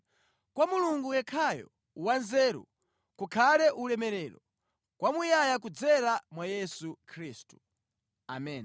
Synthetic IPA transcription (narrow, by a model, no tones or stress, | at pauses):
kwamuluŋɡujɛkʰajɔ̰ | wanzɛːɾṵ | kukʰalɛʔulɛmɛɾɛːɾɔ | kwamujajak̬ud͡zɛɾamwajɛsukʰɾiːstu̥ | amɛːn